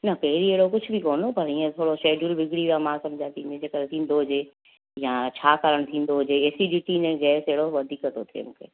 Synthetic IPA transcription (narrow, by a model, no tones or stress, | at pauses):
nɐkeɪɾieːɽokʊt͡ʃʰbʱikoːnopɐɾĩɛ̃t̪ʰoːɽoʃeːɖjulbɪɡɽiʋamãːsɐmd͡ʒʱaːt̪inẽd͡ʒeːkəlt̪ʰiːnd̪oːd͡ʒeː | jãt͡ʃʰaːkəɾəɽ̃t̪ʰiːnd̪oːd͡ʒeeːsiɖiːʈinẽd͡ʒɛːseːɽoʋɐd̪ʱiːkət̪ot̪ʰḛmũkʰḛ